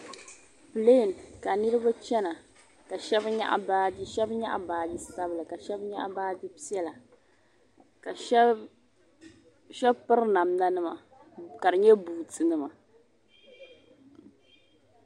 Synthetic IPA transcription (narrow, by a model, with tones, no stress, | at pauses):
pɨ˨le˦˨nka˨nɨ˦ɾɨ˦ba˦t͡ʃɛ˦na˨ | ka˨ʃɛ˦bɲa̰˦ʔa̰˦baː˦di˦ʃɛ˦bɲa̰˦ʔa̰˦baː˨˦dɨ˦sa˦bɨ˨lɨ˨ka˨ʃɛ˦bɲa̰˦ʔa̰˦baː˦dɨ˦pi˦ɛ˦la˨ | ka˨˦ | ʃɛ˦bpɨ˦ɾna˨mna˦nɨ˦ma˨ | ka˨dɨ˨ɲɛ˦buː˨tɨ˨nɨ˦ma˨